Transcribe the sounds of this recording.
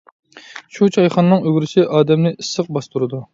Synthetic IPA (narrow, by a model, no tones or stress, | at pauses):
ʃut͡ʃʰɑjχɑnːɨŋøɡʲɾɪʃɪʔɑːd̪ɛmnɪʔisːəq̚bɑst̪uɾɨd̪u